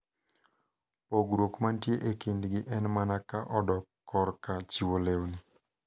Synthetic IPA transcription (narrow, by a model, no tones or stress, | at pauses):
poɡɾokmantjeʔekindɡɪʔɛnmanakaʔɔdɔkːɔɾkat͡ʃiwolewni